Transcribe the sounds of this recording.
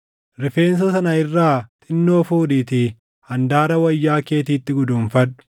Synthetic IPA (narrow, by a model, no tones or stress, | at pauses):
ɾɪfe̞ːns̬ɐsɐnɐɪrːaːt̪ʼɪnːo̞ːfuːdiːt̪i | hɐnd̪aːɾɐwɐjːaːke̞ːt̪̬iːt̪ːɪɡʊd̪uːnfɐᶑʊ̥